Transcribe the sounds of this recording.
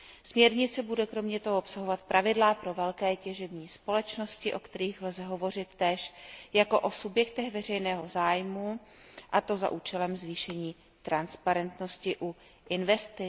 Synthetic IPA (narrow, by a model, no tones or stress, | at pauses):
smɲɛɾɲɪt͡sɛbudɛkɾo̞mɲɛt̪o̞ɦoopsaɦo̞vat̪̚pɾʔavɪdlapɾo̞vɛlkɛːcɛʒɛbɲiːspo̞lɛt͡ʃno̞scɪʔo̞kt̪ɛɾiːxlzɛɦo̞vo̞r̝ɪt̪ːɛːʃjako̞ʔosubjɛkt̪ɛɣvɛr̝ɛjnɛːɦo̞zaːjmuʔat̪o̞za̰ʔuːt͡ʃɛlɛmzviːʃɛɲiː | t̪ɾanspaɾɛnt̪no̞scɪʔu | ʔɪnvɛst̪ɪ